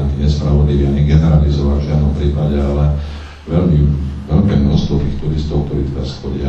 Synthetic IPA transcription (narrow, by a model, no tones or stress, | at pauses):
iɲɛspɾaʋɔd̪liʋiːaɲɛɡɛnɛɾalizɔʋalvʒɪad̪nɔmpɾiːpaɟɛalɛ | ʋɛlmiʋɛlkɛːmnɔst̪ʋɔt̪iːxt̪uɾist̪ɔʊk̚t̪ɔɾiːt̪ɛɾa̰sxɔɟɪa